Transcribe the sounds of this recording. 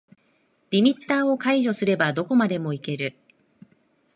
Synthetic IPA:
d̥ʲimʲit̪ːaːo̞kaiʑo̞sɨɾe̞bad̪o̞ko̞mad̪e̞mo̞ike̞ɾɯ̟

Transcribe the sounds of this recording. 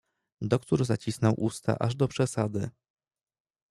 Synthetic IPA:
d̪ɔkt̪uɾzat͡ɕisnɔwʔust̪a̰ʔaʐd̪ɔpʂɛsad̪ɘ̰

